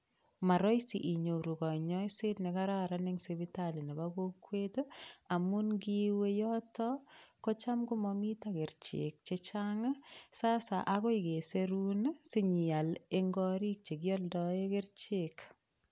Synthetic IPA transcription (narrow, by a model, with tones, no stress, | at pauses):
ma˨ɾɔ˦jsḭʔi˨ɲo˨ɾu˨kɔ˨ɲɔ˦i˦setne˨ka˦ɾaɾa˦nɪŋsebitali˨ni˨baɡo˦kːweto˦a˨mu˦nɡi˦we˦jɔtɔ˦ko˦t͡ʃa˦mɡu˦mɔmi˦taɡɪ˨ɾt͡ʃḛk̚t͡ʃet͡ʃaŋa˦sa˦sa̰˨ʔa˦ɣɔ˦iɡe˨seɾu˦nsɪ˦ɲia˨le˦ŋɡɔɾi˦k̚t͡ʃe˨ɡjɔ˦ldɔeɡɪ˦ɾt͡ʃek